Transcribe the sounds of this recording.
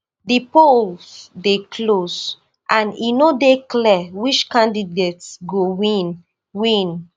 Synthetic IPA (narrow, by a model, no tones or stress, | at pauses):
dipolsdekʰlos | ʔãnḭnodeklɛwit͡ʃkãndidetsɡowĩn | wĩn